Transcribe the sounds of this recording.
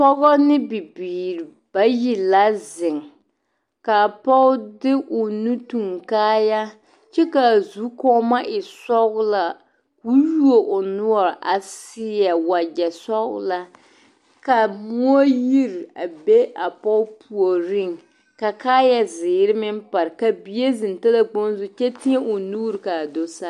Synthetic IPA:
pɔ˦ɣɔ˦nɪ˦bi˨biː˨ɾi˨ | b̥a˦ji˨la˦zɪ˨ŋ | ka˨pɔ˦ʊ˦dɪ˦ʔʊ˨nu˦tu˨ŋkaː˦ja˦ | t͡ʃɛ˦ka˨zu˨˦kɔ˦ma˦ʔɪ˨sɔ˦ɣʊ˦la˨ | wu˦ju˦o˨ʔʊ˨nʊ˦ɔ˨ɾʔa˨sɪ˦ja˨wa˨d͡ʒɛ˨sɔ˦ɣʊ̰˦la˦ | ka˨mu˦o˦ji˦ɾa̰˨be˦ʔa˨pɔ˦ʊ˦pʰu˨o˨ɾɪ˦˨ŋ | ka˨kaː˦ja˦zɪː˨ɾɪ˦mɪ˦m˦pa˨ɾɪ˨ka˨bi˨˦e˦zɨ˨n˨ta˦la˦k͡po˦n˦zʊ˦t͡ʃɛ˦ti˦e˦ʔʊ˨nuː˦ɾɪ˨ka˨do˦sa˦

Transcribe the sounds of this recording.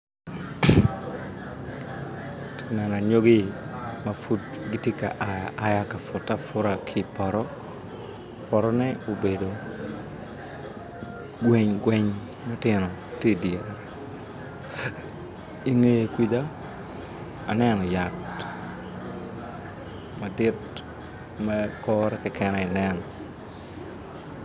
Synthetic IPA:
tnɛ˨na˨ɲo˦ɡɪ˦ma˨fu˦tɡɪ˦tje˦ka̰˨ʔa˨ja˨ʔa˨ja˦ka˨fʊ˨ta˦fʊ˦ɾa˨kʰɪ˦pɔ˨ɾɔ˦ | pɔ˨ɾɔ˦nɛ˦o˨be˨do˨ | ɡwɛ˨ɲɡwɛ˦ɲ | mɛ˦tɪnɔ˨ | tje˦djɛɾɛ | i˨ŋe˦je˦kʷi˦d̪a˦ | a˨nɛ˦nɔ˨ja˨t | ma˨dɪ˦t | mɛkɔːɾɛkɛkɛ˦nɛɪ˨nɛ˦nɔ

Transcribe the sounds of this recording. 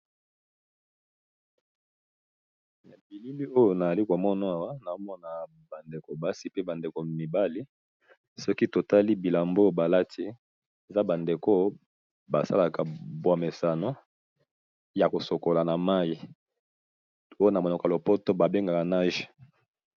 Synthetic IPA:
na˨bi˨li˦li˦o˦jo˨na˨a˨li˦ko˨mɔ˦na˦a˨wa˦na˨o˦mɔ˦na˨ | ba˨nde˨ko˨ba˦si˦pe˦ba˨nde˨ko˨mi˨ba˦li˦ | sɔ˦ki˦to˨ta˦li˦bi˨la˨mbo˦ba˨la˦tʰi˦ | e˨za˦ba˨nde˨ko˦ | ba˨sa̰˦la˨ka˨bwa˨me˨sa˨no˦ | ja˨ko˨so˨ko˨la˨na˨ma˦ji˦ | o˦jo˦na˨mo˨n˨ka˨lo˨po˦to˦ba˨be˦ŋɡa˨ka˨na˦ʒe˨

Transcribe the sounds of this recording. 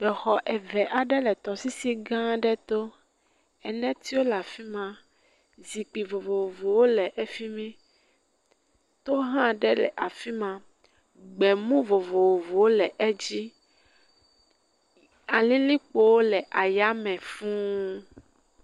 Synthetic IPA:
bɛ˨xɔ˨ʔɛ˨vɛ˨ʔa˨ɖɛ˦lɛ˨t̪ɔ˨si˦si˦ɡã˦ɖɛ˦t̪o˦ | ɛ˨nɛ̃˦t̪i˦wo˦la˨fi˦mã˦ | zi˨k͡pi˨vo˨vo˨wo˨vo˨wo˦lɛ˨ʔe˨fi˦mɛ̃˦ | t̪o˦ɦã˦˨ɖɛ˦lɛ̰˨ʔa˨fi˦mã˦ | ɡ͡bɛ˨mũ˦vo˨vo˨wo˨vo˨wo˦lɛ˨ʔɛ˦d͡ʑi˦ | a˨lĩ˦lĩ˦k͡po˦wo˦lɛ˨ʔa˨ja˦mɛ̃˨fũ˦

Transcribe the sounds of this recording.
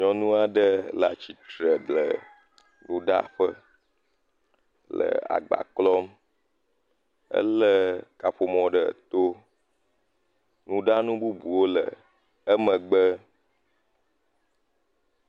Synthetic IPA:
ɲɔ̃˨nũ˦a˨ɖə˦la̰˨t͡ɕi˨t̪ɾə˨ɖlə˨ | nũ˦ɖa̰˦ɸə˦ | lə̰˨a̰˨ɡ͡ba̰˨klɔ˦m | ə̰˦lə˦ka˨ɸo˨mɔ̃˨ɖə˨t̪o˦ | nũ˦ɖa˦nũ˦bu˦bu˨wo˦lə˨ | ə˦mə̃˨ɡ͡bə˦

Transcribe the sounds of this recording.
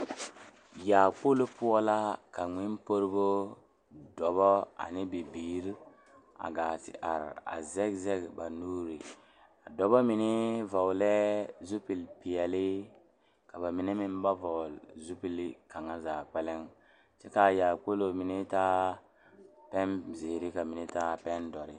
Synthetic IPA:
jaː˨k͡po˦lo˦pʊ˦ɔ˦la˦ka˨ŋ͡mɪ˦npo˦ɾbo˦ | dɔ˨βɔ˦a̰˨nɪ˦bi˨biː˨ɾ | a̰˨ɡaː˨tɪ̰˨ʔa̰˨ɾa̰˨zɛ˦ɡzɛ˦ɡba˨nuː˦ɾi˨ | a˨dɔ˨bɔ˦mi˨nɪ˦va˨wlɛ˦zu˦pi˨lpi˨jɛ˨lɪ˦ | ka˨ba˨mi˨nɛ˦mi˦n˦ba˦vo˨lzu˦pi˨lka˨ŋa˦zaː˨k͡pɛ˦lɛ˦ŋ | t͡ʃɛ˦ka˨jaː˨ko˦lo˨mi˨˦ni˦taː˦ | pɛ˦nze˨ɾi˦ka˨mi˨ni˦ta˦pɛ˦ndɔ˨ɾɪ˦

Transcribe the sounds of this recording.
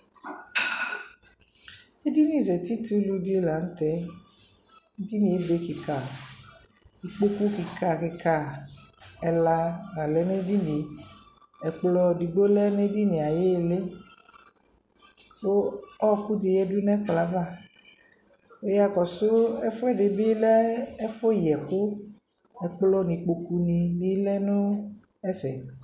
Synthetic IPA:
e˦di˦nĩ˦˨zɛ˨t̪i˦t̪u˦lu˧di˦la˨ŋ̩˦t̪ɛ˨˦ | d͡ʒi˦nĩ˨e˦be˨˦ki˨ka˨ | i˨k͡po˦ku˦ki˨ka˨ki˧ka˨ | ɛ˨la˧a˨lɛ˨˦ne˦di˦nĩ˨˦ | ɛ˨k͡plɔ˧di˨ɡ͡bo˦lɛ˦ne˦di˦nĩ˨a˨je˦˨le˦ | o˦ɔ˦˨ku˦di˨jɛ˦du˦nɛ̃˦k͡pla˨˦va˦˨ | o˦ja˨˧kɔ˨so˦ɛ˦fo˦ɛ˦˨de˨bi˦lɛ˦ɛ˦fo˦˨jɛ˨ko˦ | ɛ˨k͡plɔ˧nĩ˧k͡po˧ku˧nĩ˧bi˦lɛ˦nũ˦ɛ˦fɛ˨

